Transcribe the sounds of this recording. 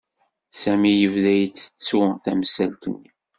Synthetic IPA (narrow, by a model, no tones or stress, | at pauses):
sæmijəvðæjət͡sːə̥t͡sːθæmsælt̪ə̰nːi